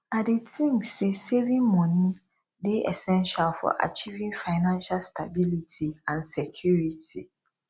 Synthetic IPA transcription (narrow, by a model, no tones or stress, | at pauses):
adɪtʰĩŋsɛseɾĩmɔ̃nĩ | dɪɛ̰sɛ̃nʃalfɔ̰ʔa̰t͡ɕʰivĩŋfaɪnãnʃalstʰabilitʰiãnsɛkʰjuɾitʰi